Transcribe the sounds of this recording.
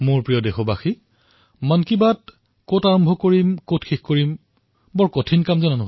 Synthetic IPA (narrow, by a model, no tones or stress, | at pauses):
moɹpɹijɔdexɔbaxi | mankibat̚ | kotaɹɔmbʱɔkoɹimkotxexkoɹim | bɔɹkotʰinkamzɛnɔnʊɦ